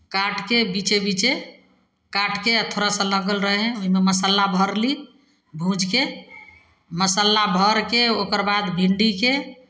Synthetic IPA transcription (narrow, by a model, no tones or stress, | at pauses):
kaʈkebit͡ʃebit͡ʃe | kaʈʰkeət̪ʰoɾasələɡəlɾəɦɦɛ̃oɦimeməsəlːabʱəɾli | bʱũd͡ʒke | məsəlːabʱəɾkeokəɾbad̪bʱiɳɖike